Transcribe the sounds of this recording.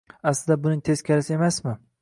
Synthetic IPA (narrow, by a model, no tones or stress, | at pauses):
aslɪd̪abʊnɪŋt̪ʰe̞z̥kʲʰaɾɪsɪe̞masmɪ